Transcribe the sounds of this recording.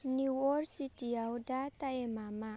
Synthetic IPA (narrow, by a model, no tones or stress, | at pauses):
niwɔrsitiawdat̪aemama